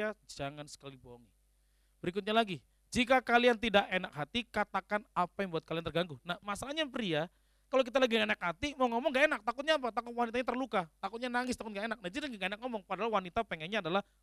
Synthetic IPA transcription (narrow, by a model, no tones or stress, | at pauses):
ad͡ʒaŋansə̥kalibɔŋi | b̥əɾik̬ʊt̪̚ɲalaɡi | d͡ʒikakaliant̪idaʔenak̚ɦat̪ikat̪akanapajaŋbuat̪̚kaliant̪ərɡaŋɡunahmasalaɲapəɾia | kalok̬it̪alaɡienakɦat̪imaŋɔmɔŋɡaenak̚t̪akʊt̪̚ɲaːp̬at̪akʊt̪̚wanit̪̬aɲat̪ərlukat̪akʊt̪̚ɲanaŋɪst̪akʊt̪̚ŋɡaenak̚nad͡ʒidanaŋɡaenak̚ŋɔmɔŋpadalawanit̪apeŋɛnɲaːdalah